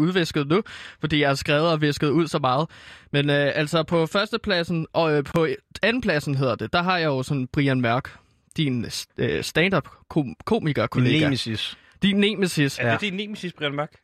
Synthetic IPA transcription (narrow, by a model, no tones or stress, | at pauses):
uðˠʋesɡ̥əð̩ˠnufɒ̽d̥ḭːjɑ̈hɑ̈sɡ̥ʁɛʊð̩ˠɒ̽ʋe̝sɡ̥əð̞̩ˠuð̰ˠsɒ̽mɑ̈ːð̞̩ˠmenøʔæl̰sɒ̽pʰɒ̽fɶɐsd̥əpʰlæsn̩ʔɒ̽pʰɒ̽ænn̩pʰlæsn̩ɦe̝ð̞̰ˠɐd̥e̝d̥ɑ̈ɦɑ̈jɑ̈ɪjo̝sɒ̽n̰b̥ʁiænmɶɐ̰ɡ̥ | d̥inøsd̥ænd̥ɑb̥kʰokʰo̝̰ːmiɡ̥ɐkʰo̝leːɡæsis | d̥inːemesisd̥inːemsisb̥ʁiænmæɐɡ̥